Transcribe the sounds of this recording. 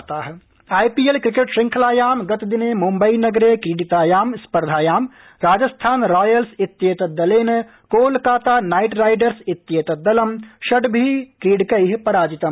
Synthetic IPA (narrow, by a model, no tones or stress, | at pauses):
t̪aːɦ | aːjpiːelkɾɪkeːʈʃɾɪ̃ŋkʰlaːjaːmɡɐt̪d̪ɪneːmũmbɐinɐɡɾeːkiːɖit̪aːjaːmspɐɾd̪ʱaːjaːm | ɾaːd͡ʒɐst̪ʰaːnɾaːjəlsɪt̪ːjeːt̪ɐd̪ɐleːn | koːlkaːt̪aːnaːɪʈɾaːɪɖəɾsɪt̪ːjeːt̪ɐd̪ɐlɐmʃɐɖbʱikiːɖkɐiɦpɐɾaːd͡ʒɪt̪ɐm